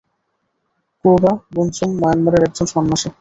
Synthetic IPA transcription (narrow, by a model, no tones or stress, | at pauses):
kubabunsumːɔjanmaɾeɾɛk̚d͡ʑonʃɔnmaʃe